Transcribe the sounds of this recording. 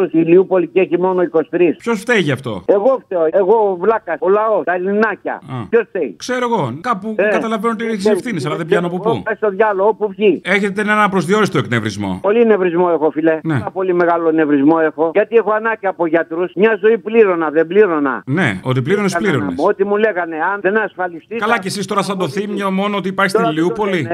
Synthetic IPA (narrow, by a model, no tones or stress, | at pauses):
usiliupoliceçimo̞noiko̞si̥t̪ɾispço̞sft̪ejʝɐft̪o̞̰e̞ɣoft̪eoeɣovlɐkɐolɐost̪ɐlinɐcɐ̰çosft̪eikse̞ɾoeɣo̞kɐpuekɐt̪ɐlɐvenoot̪ieçisefθines̬ɐlɐðebʝɐnopupṵɐst̪oðʝɐloɣopuvʝie̞çe̞t̪enenɐpɾozðio̞ɾist̪oeknevɾḭzmo̰po̞line̞vɾizmoexofileneɐpo̞limeɣalone̞vɾizmoe̞xo̞ʝɐt̪iexoɐnɐcɐːpoʝɐt̪ɾusmɲɐzo̞ipliɾonɐðebliɾonɐ̰ne̞̰o̞t̪ipliɾonespliɾonḛot̪imuleɣɐneɐnðenɐsfɐlist̪ikɐlɐcesist̪o̞ɾɐsɐnd̪oθimɲomo̞noot̪ipɐɾçist̪iliupo̞li